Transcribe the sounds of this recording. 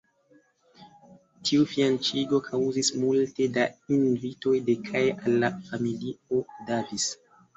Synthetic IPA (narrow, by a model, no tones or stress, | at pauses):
tʰiufiant͡ʃiɡo̞kʰawzismulte̞dainvito̞jdekʰajʔalːafamilio̞davis